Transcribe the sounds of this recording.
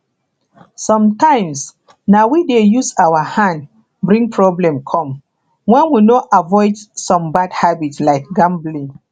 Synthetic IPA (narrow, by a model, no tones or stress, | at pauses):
sɔ̃mtãɪ̃ms | nawidejusawəhãnd | bɹĩŋpʰɹɔblɛ̃mkʰɔ̃m | wɛ̃nwinoʔavɔɪdsɔ̃mbadhabitslaɪk̚ɡãmblĩŋ